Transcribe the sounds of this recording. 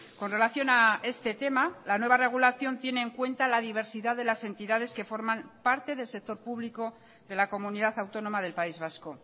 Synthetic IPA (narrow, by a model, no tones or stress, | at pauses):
ko̞nre̞laθjo̞nae̞st̪e̞t̪e̞malanwe̞β̞are̞ɣ̞ulaθjo̞nt̪je̞ne̞ːŋkwe̞nt̪alaðiβ̞e̞ɾsiðaðe̞lase̞nt̪iðað̞e̞ske̞fo̞ɾmampaɾt̪e̞ðe̞lse̞k̚t̪o̞ɾpuβliko̞ | ðe̞lako̞muniðaθawt̪o̞no̞maðe̞lpaizβasko̞